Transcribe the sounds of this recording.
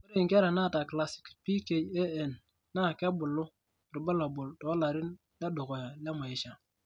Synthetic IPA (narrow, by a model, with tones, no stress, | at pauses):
u˦ɾi˦˨ŋke˦ɾa˨na˦˨ta˨kla˨si̥˨kpi˦ke˨je˦e˨nː | a˦˨ka˦bu˨lːʊ˦ | ɾi˨ba˦la˨bʊ˨lto˨˦la˨ɾi˦n | da˦do˨ko˨ja˨la˦ma˨ji˦ʃa˨